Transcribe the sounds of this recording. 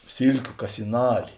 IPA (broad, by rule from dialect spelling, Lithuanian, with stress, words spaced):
ˈsʲiːlʲkʲʊ kɐsʲɪˈnɑːlʲɪ